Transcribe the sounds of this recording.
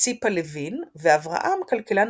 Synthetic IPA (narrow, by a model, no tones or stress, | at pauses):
t͡sipalevinveavʁa̰ʔamkalkelan